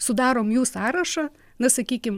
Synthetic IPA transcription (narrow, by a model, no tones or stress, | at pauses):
sʊd̪ɑːɾoːmjuːsɑːɾɐʃɐ | nɐsɐkʲiːkʲɪm